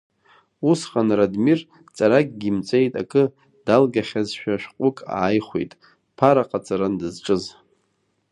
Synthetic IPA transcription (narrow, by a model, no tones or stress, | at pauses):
usχʼanradmir | t͡sʼaɾakʼɡʲimt͡sʷʼe̞jtʼa̰kʼɨ | d̥alɡaχʲazʃᶣaʃᶣqʷʼʊkʼa̰ːjχʷḛjtʼ | pʰaɾaqʼat͡sʼaɾandɨzʈ͡ʂʼɨz